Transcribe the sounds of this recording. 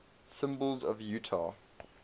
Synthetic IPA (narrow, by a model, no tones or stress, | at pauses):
sɪ̃mbəlˠzəvjʉːˑtʰɑ̰